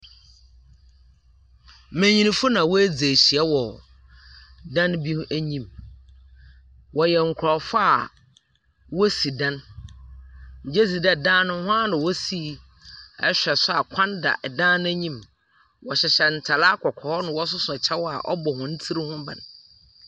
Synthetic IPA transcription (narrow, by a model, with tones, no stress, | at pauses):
mæ̃˨ɲĩ˨nĩ˨fʊ˦nã˨wɔ˦æ˦d͡ze˨ɕi˨ɛ˦wɔ˨ | dã˦nbi˦ʔæ˦ɲĩ˦m | wɔ˨jɛ˨ŋ̩˨kʰɾɔ˨fa˦a˨ | wɔ˦si˨dã˦n | ɲ̩˨d͡ʑɛ˦si˨da˨dãː˦nʊ̃˦hʊ̃˦a˦nʊ̃˨wɔ˦si˦ | ɛ˦ɕᶣɛ˨sʊ˦a˨kʰã˦nda̰˨ʔdãː˦ñ˦æ˦ɲĩ˦m | wɔ˨ɕɛ˨ɕɛ˨n̩˨tʰa˨la˦kʰɔ˨kʰɔ˨hɔ˦nʊ̃˨wɔ˦s̬ʊ˦sʊ˨ɛ˨t͡ɕʰɛ˦wɔ˦a̰˨ʔɔ̰˦bɔ˨hʊ̃˨n̩˦tʰi˦ɾi˦hʊ̃˦ba̰˨n˨